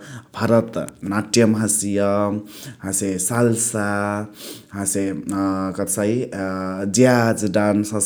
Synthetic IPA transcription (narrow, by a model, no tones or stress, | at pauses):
bʱaɾʌt̪naʈjʌmɦasijʌɦãsesalsa | ɦãsekʌt̪sai | d͡ʒjad͡zɖansə